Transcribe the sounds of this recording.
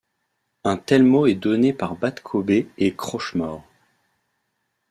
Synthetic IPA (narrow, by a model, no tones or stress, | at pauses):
ɛ̃t̪ɛlmoɛd̪ɔnepaʁbat̪kʰobeːkχɔʃmɔːʁ